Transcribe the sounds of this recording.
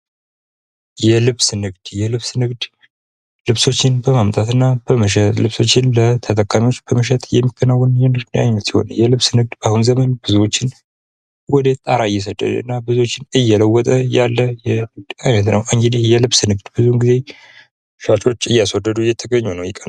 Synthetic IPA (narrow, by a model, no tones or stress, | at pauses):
jɛlɨβsnɨɡd̪̥jɛlɨβsnɨɡd̪ | lɨβso̞t͡ʃːɪnbəmamt̪ʼat̪ɨnːab̥əməʃ̬ɛt̪lɨβso̞t͡ʃːɪnlət̪ʰət̪ʼəkʼamiwo̞t͡ʃːb̥əməʃ̬ɛt̪jɛmːikʰːənawːənjɛnɨɡd̪najnːət̪jɪho̞̰njɛlɨβsnɨɡ̚d̪bahunzəmənbɨzuwo̞t͡ʃːɪn | wɔd̪ət̪ʼaɾaɨjːɛs̬əd̪ʼə̰lɨ̰nːabɨzuwo̞t͡ʃːɪnɨjːɛləwːɔt̪ʼəjalːəjɛnɨɡd̪ajnət̪nəwʔɨŋɡd̪ijɛlɨβsnɨɡd̪bɨzuɡize̞ | ʃat͡ʃʼo̞t͡ʃːɨjːaswɔd̪ːəd̪ujɛt̪ʰəɡəɲːunəwjɪkʼən